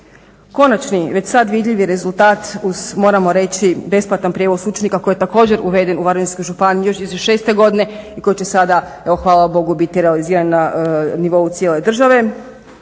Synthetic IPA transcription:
ko̞nat͡ʃniʋe̞t͡ɕsad̪ʋid̪ʎʲiʋiɾe̞zulˠt̪aːt̪uz̥mo̞ːɾamo̞ɾe̞t͡ɕibe̞splˠat̪anpɾʲije̞ʋo̞sut͡ʃenikako̞je̞t̪ako̞ːd͡ʑe̞ɾuʋe̞d̪e̞nuʋaɾinskojʒupanijijo̞ʃizʃe̞ːst̪e̞ɡo̞d̪ine̞iko̞jit͡ɕe̞sad̪a | eʋo̞xʋaːlˠabo̞ɡubit̪iɾealiziːɾannaniʋo̞ut̪sjele̞d̪r̩ʒaʋe̞

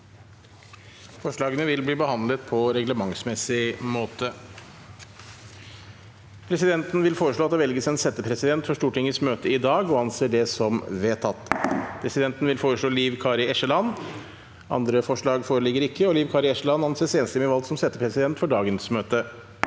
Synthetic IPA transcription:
fɔʂɭɑːɡənəʋɪlbliːbəhɑnd̪lət̪pʰɔɾɛɡləmɑŋsmɛsɪmoːt̪ə | pʰɾɛsɪd̪ɛnt̪nʋɪlfoːɾəʂɭoːɑt̪̚d̪ɛʋɛlɡəsɛnsɛt̪ːəpʰɾɛsɪd̪ɛnt̪fɔʂʈuːʈʰɪŋːəsmøːt̪əɪd̪ɑːɡɔɑnseːɖɛsɔmʋeːt̪ʰɑt̪ːpʰɾɛsɪd̪ɛnt̪n̩ʋɪlfoːɾəʂɭoːliːʋkʰɑːɾɪɛʂəlɑn | ɑ̰nd̪ɾəfɔʂɭɑːɡfoːɾəlɪɡəɾɪkːəɔliːʋkʰɑːɾɪɛʂəlɑnɑnseːseːnəst̪əmɛʋɑlɡ̪sɔmsɛt̪ːəpɾɛsɪd̪ɛnt̪fɔɖɑːɡənsmøːt̪ə

